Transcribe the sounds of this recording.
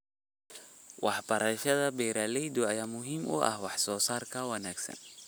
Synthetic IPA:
wɑħbɐɾɐʃɐðɐbɛːɾaːlɛjd̪ʊɐjaːmʊɦiːmʔʊ̰ʔɐ̰hwɑħsɔːsaːrkʰɐwɐnaːɡsɐ̰n

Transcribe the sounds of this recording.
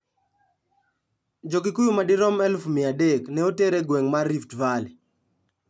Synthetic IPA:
d͡ʒok̬ikujumadɪɾɔmɛlfmɪadeknɛoteɾeɡwɛŋmarːiftval

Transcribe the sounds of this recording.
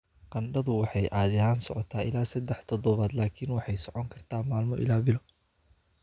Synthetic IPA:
qɑnɖɐðʊwɑħɑjʔaːðɪɦaːnsɔʕɔt̪ʰaːʔɪ̰laːsɐd̪ɛħt̪ʰɔðɔβaːd̪laːkʰiːnwɑħɑjsɔʕɔŋkʰɐrt̪ʰaːmaːlmɔʔɪ̰laːbɪlɔ

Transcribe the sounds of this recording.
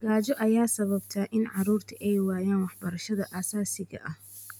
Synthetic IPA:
ɡ̥aːt͡ʃɔʔɐjaːsɐβɐbt̪ʰɐʔɪnʕɑɾuːrt̪ʰɐʔɛjwaːjaːnwɑħbɐɾɐʃɐðɐʔɐsaːsɪɣɐ̰ʔɐh

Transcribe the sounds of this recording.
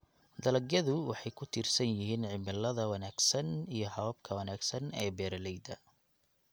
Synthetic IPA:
d̪ɐlɐɡjɐðʊwɑħɑjkʰʊt̪ʰiːrsɐnjɪɦiːnʕɪmɪlːɐðɐwɑnaːɡ̥sɐnijɞhɐɔb̚kʰɐwɐnaːɡsɐnɛ̰ːbɛːɾɐlɛjd̪ɐ

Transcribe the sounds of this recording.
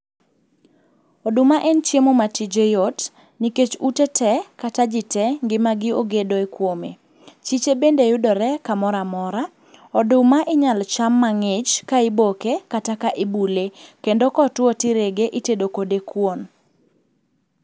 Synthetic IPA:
ɔdʊmaʔɛnt͡ʃjemomatid͡ʒejɔt | niket͡ʃutetɛkatad͡ʒɪtɛŋɡɪmaɡɪoɡedoekwomḛ | t͡ʃit͡ʃebendejʊdɔɾɛkamɔɾamɔɾa | ɔdʊmaʔɪɲalt͡ʃamːaŋɪt͡ʃkaɪbokekatakaʔɪbulekendokɔtwɔtɪɾeɡeʔɪtedokodekwon

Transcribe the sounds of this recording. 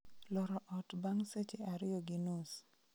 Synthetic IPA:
lɔɾɔʔɔtbaŋset͡ʃeaɾɪjɔɡinus

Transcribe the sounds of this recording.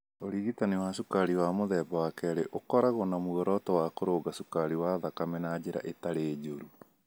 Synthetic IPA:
oɾiːɣitanewaʃukaɾiwaːmoðɛːbawakɛɾeʔokɔɾaɣonamuɔɾɔtɔwakoɾoɡasukaɾiwaðakamɛnad͡ʑeɾa̰ʔetaɾeːd͡ʑoɾu

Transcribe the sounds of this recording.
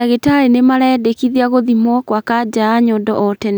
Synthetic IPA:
aɣetaɾenemaɾaɛdekiðiaɣoðimɔkwakad͡ʑaːɲɔdɔʔɔtɛn

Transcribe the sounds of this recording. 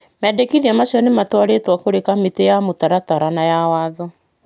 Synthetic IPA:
mɛːdekiðiamaɕjɔnematwaɾetwakoɾekametejamotaɾataɾanajawaːðɔ

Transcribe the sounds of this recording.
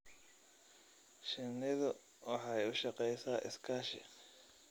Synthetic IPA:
ʃɪnɪðʊ | wɑħɑjʊʃɐqɛjsaːʔɪ̰skʰaːʃɪ̰

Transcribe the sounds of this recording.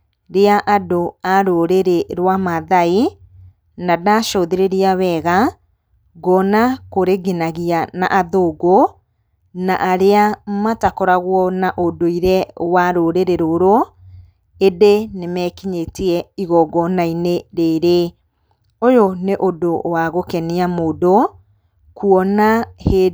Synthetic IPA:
ɾeaʔadoaɾoɾeɾeɾwamaðai | nadaʃɔðeɾeɾiaβɛɣa | ɡɔnakoɾeɡenaɣiana̰ʔaðoɡo | naʔaɾeamatakɔɾaɣwɔnaʔodoiɾɛwaɾoɾeɾeɾoɾoɔ | edenemɛkiɲetiɛiɣɔɡɔnaineɾeɾe | ojoneʔodowaɣokɛniamoːdo | kuɔnahe

